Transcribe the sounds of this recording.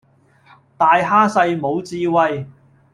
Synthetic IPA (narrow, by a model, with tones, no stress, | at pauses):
t̪aː˧jɦaː˥sɐ˧jmo˨˧wt͡siː˧wɐ˧j